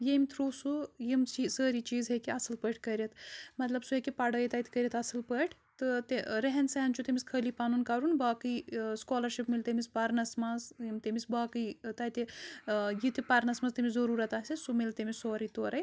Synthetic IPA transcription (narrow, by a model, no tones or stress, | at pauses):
jemʲt̪ʰɾoːsujimsʰisəːɾit͡ʃiːzɦekiɐsɨlpəʈʰkɐɾʲɐt̪mɐt̪lɐbsuɦekipɐɖɐjt̪ɐjt̪ʰi̥kɐɾʲjɐt̪ɐsɨlpəʈʰ | t̪ɨt̪eɾɐɦɐnsɐɐnt͡ʃʰut̪emiskʰəːlipaːnunkaːɾunbaːkɨskoːlɐɾʃipmilt̪emispɐɾnɐsmɐzjimt̪emisbaːkɨjt̪ɐjt̪i | jit̪ipɐɾnɐsmɐst̪imʲiszɐɾuːɾɐt̪aːsisumilt̪emisoːɾit̪oːɾɐj